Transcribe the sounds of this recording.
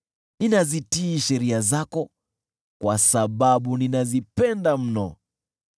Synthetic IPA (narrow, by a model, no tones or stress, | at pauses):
ninazitiːʃɛɾiazakɔ | kwasaɓaɓuninazipɛndam̩nɔ̰